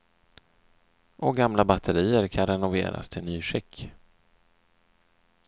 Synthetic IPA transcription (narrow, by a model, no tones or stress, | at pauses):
ʔɔɡamlabat̪ʰəɾiːəɾkʰanɾɛnʊvḛːɾa̰st̪ʰɪlnyːɧɪkː